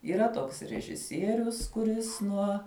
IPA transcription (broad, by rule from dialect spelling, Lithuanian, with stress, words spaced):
iːˈrɐ ˈtoːks rʲɛʒʲɪˈsʲiɛrʲʊs kʊˈrʲɪs ˈnuɔ